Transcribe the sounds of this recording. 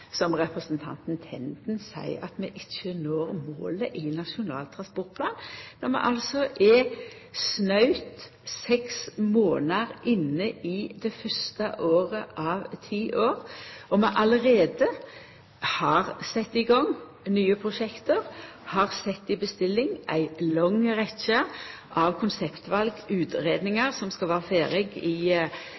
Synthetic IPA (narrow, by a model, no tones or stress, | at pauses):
sɔmʁɛpʁəsənt̪ʰɑ̰nt̪nt̪ʰɛ̰nt̪n̩sæ̰ɪɑt̪mɛʔɪçənoːɾmo̰ːləʔɪnɑʃʊnɑ̰ːlt̪ʰʁɑnspɔʁt̪̚pʰlɑːnnɔmɛ̰ʔɑlsɔʔɛ | snɑʉt̪ | sɛksmoːnəʁʔɪnːəid̪ɛfœst̪əʔoːʁəʔɑʋt̪ʰiːʔoːʁʔɔmɛʔɑləʁeːd̪ə | hɑʁsɛt̪ːɪɡɑŋ | nyːəpʰʁʊʃɛkt̪əʁ | hɑʁsɛt̪ːɪbəst̪ɪlːɪŋʔæ̰ɪlɔŋʁɛtt͡ʃəʔɑʋkʰʊnsɛpt̪ʋɑlɡʉːt̪ʁeːd̪nɪŋɑʁsɔmskɑlʋæːʁəfeːɾɪɡiː